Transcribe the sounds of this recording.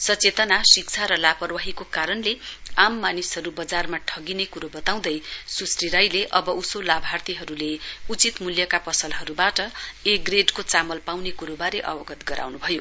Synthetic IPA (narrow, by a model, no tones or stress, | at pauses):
sʌt͡set̪ʌnasikt͡sʰaɾʌlapʌrwaɦikokaɾʌnleamːanisɦʌɾubʌd͡zarmaʈʰʌɡinekuɾobʌt̪aw̃d̪ʌjsusriɾajleʔʌbʌʔusolabʱart̪iɦʌɾuleut͡sit̪muljʌkapʌsʌlɦʌɾubaʈʌeɡreɖkot͡samʌlpawnekuɾobaɾeʔʌ̰wʌɡʌt̪ɡʌɾʔa̰wnubʱʌjo